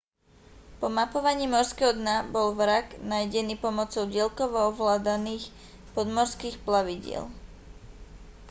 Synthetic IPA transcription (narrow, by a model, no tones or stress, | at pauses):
pɔmapɔʋaɲiːmɔɾskɛɦɔd̪nabɔlʋɾaɡnajɟɛniːpɔmɔt͡sɔʊɟɪɛlkɔʋɔɔʋlaːd̪aniːx | pɔd̪mɔɾskiːxplaʋiɟɪɛ̰l